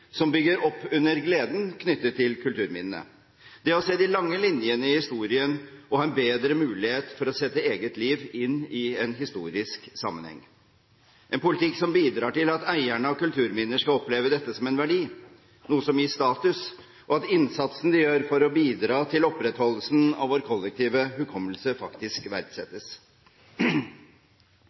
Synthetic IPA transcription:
sɔmbʏɡːəɾɔpːʉnːəɾɡleːd̪nkʰnʏt̪ːət̪ʰːɪlkʰʉlt̪ʉːɾmɪ̰nnə̰ | d̪̥ɛɔseːd̪ɪlɑŋːəlɪnjənəɪhɪst̪uːɾɪənʔɔhɑːɛnbeːd̪ɾəmʉːlɪheːt̪fɔɾɔsɛt̪ːəeːɡət̪liːʋɪnːɪɛnɦɪst̪ṵːɾɪsksɑ̰mːə̰nhɛ̰ŋː | ʔɛnpʊlɪt̪ʰɪkːsɔmbiːd̪ɾɑːʈɪlɑt̪æɪæɳəɔkʉlt̪ʰʉːɾmɪnːəʂkɑlɔpleːʋəd̪ɛt̪ːəsɔmɛnʋæɖiː | nuːəsɔmjɪːʂt̪ɑːt̪ʉs | ɔɑt̪ɪnsɑt̪sn̩d̪ɪjøːɾfɔɾɔbiːd̪ɾɑːt̪ʰɪlɔpɾɛt̪hɔlːəsn̩ɑ̰ʋoːɾkʰɔlːək̚t̪ʰiːʋəhʉkʰɔmːəlsəfɑkt̪ɪskʋæɾd̪sɛt̪ːəs

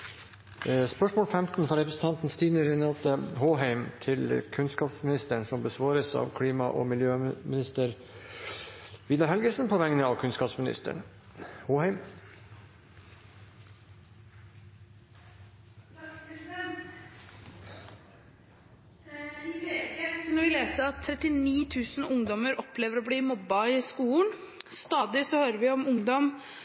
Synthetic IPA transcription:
spœʂmoːlfɛmt̪n̩fɔɾɛpɾəsn̩t̪ʰɑnt̪n̩st̪iːnəɾɛnɑlt̪əɦoːɦæɪmt̪ʰɪlkʰʉnskɑːpsmɪnɪst̪əɳsɔmbəsʋɑːɾəsɑ̰ːʋkʰɽiːmɑʔo̰ːmɪljøːmɪnɪst̪əɾ | ʋiːd̪ɑɾhɛlɡəsn̩pʰoːʋæŋnəɑːʋkʰʉnskɑːpsmɪnɪ̰st̪ə̰ɳ | hoːhæɪm | nɔɾʋɪleːsəɑt̪ʰːɾɛt̪ɪniːt̪ʰʉːsn̩ʊŋd̪ɔməɾɔpleːʋəɾɔːbliːmɔbːɑɪskuːn | st̪ɑːd̪ɪsɔhøːɾəʋɪɔmʊŋd̪ɔm

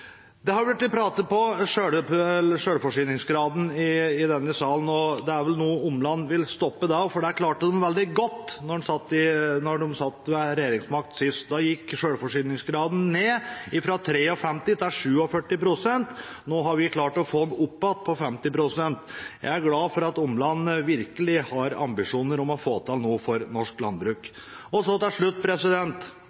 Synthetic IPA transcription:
d̪ɛhɑɾbʉʈ̪ːpʰɾɑːt̪əpʰɔʂøːɽəʂøːɽfɔʂyːnɪŋsɡɾɑːd̪n̩ɪɪd̪ɛnːəsɑːlən̩ɔd̪ɛæɾʋɛlnuːʊmlɑnːʋɪlst̪ɔpːəd̪ɑfɔɖɛæɾkʰlɑːʈəd̪ɛnʋɛld̪ɪɡɔt̪ːnɔɖɛsɑt̪ːɪnɔɖʊmsɑt̪ːmɛɾɛjeːɾɪŋsmɑk̚t̪sɪst̪d̪ɑjɪkːʂøːɽfɔʂyːnɪŋsɡɾɑːd̪n̩neːɪfɾɑt̪ʰɾeːɔfɛmt̪ɪt̪ʰɛæʂʉːɔfœʈːɪpɾʊsɛnt̪ | noːɦɑɾʋɪkʰlɑːʈɔfoːmʊpːɑt̪̚pʰɔfɛmt̪ɪpɾʊsɛnt̪jæ̰ɪæɾɡlɑːfɔɾɑt̪ʊmlɑnːəʋɪɾkəlɪhɑɾɑ̰mbɪʂuːnəɾɔmɔfoːt̪ʰɪlnuːfɔɾnɔʂklɑnbɾʉːk | ɔsɔt̪ɪlʂɭʉt̪̚ːpʰɾɛsɪd̪ɛnt̪

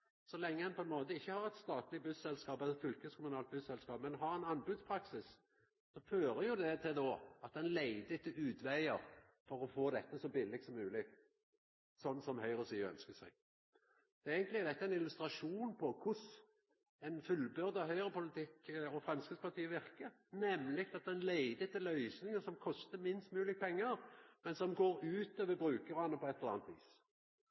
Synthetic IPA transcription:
sɔlɛŋːəhɛnpʰɔɛnmoːt̪əɪçːəhɑʁɛt̪st̪ɑːt̪lɪbʉsɛlskɑːpɛlːət̪fʏlkəskʰʊmʊnɑːlt̪̚bʉsɛlskɑːpmɛnɦɑʁɛnɑnbʉd̪spʰɾɑksɪs | sɔføːɾəjʊd̪ɛt̪ʰɪld̪oːɑt̪̚d̪ɛnlæɪd̪ɪt̪ːəʉːd̪ʋæɪəʁ | fɔʁɔfoːd̪ɛt̪ːəsɔbɪlːɪɡ̚t̪sɔmːʉːlɪ | sɔnːsɔmhœʏʁəsyːœ̰nskəsæɪ | d̪̥ɛæɪɡənt̪lɪæd̪ɛt̪ːəæɪnɪlʉst̪ɾɑʂuːnpʰɔkʰʊs | ɛɪnfʉlbøɾd̪ɑhœʏʁəpʊlɪt̪ʰɪkɔfɾʁɑmskəspʰɑt̪ʰiːəʋɪʁkə | nɛmːlɪk̚t̪ɑt̪̚d̪ɛnlæɪd̪ɪt̪ʰːɪlœʏsnɪŋəsɔmkʰɔst̪əmɪnst̪mʉːlɪk̚pʰɛŋːəɾmɛnsɔmɡoːɾʉːt̪øːʋəbɾʉːkəʁɑnəpʰɔɛt̪ɛləɑ̰ːnt̪ʋḭːs

